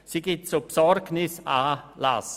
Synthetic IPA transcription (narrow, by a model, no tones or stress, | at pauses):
siɡ̥ɪtsopsɔrɡnɪsaːla̰s